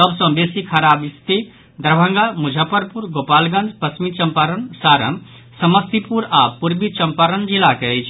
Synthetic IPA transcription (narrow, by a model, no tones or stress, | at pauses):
səbsə̃besikʰəɾabist̪i | d̪əɾbʱə̃ŋɡamud͡ʒʱəpəɾpuɾɡopalɡə̃nd͡ʒʱpəsmit͡ʃəmpaɾənsaɾə̰m | səməst̪ipuɾapuɾbit͡ʃəmpaɾənd͡ʒilakeəjt͡ʃʰ